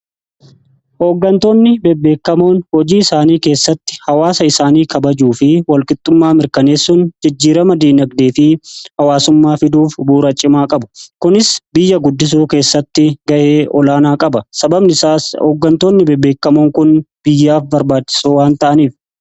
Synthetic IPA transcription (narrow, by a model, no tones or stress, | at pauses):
hoːɡːɐnt̪o̞ːnːɪbɛbːe̞ːkːɐmo̞ːnhɔd͡ʒiːɪsaːniːke̞ːsːɐt̪ːɪ̥hɐwaːsɐɪsaːniːkɐbɐd͡ʒuːfɪwɐlkʼɪt̪ʼːʊmːaːmɪɾkɐne̞ːsːʊnd͡ʒɪd͡ʒːiːɾɐmɐd̪iːnɐɡd̪eːfɪhɐwaːsʊmːaːfɪd̪uːfbuːɾɐt͡ʃʼːɪmaːkʼɐbʊ̥kʊnɪsbɪjːɐɡʊd̪ːɪs̬uːke̞ːsːɐt̪ːɪɡɐʔeːʔɔlaːnaːkʼɐbɐsɐbɐbnɪsaːsoːɡːɐnt̪oːnːɪbɛbːe̞ːkːɐmo̞ːŋkʊnb̥ɪjːaːfbɐɾbaːt͡ʃːɪ̥soːwaːnt̪ɐʔɐniːf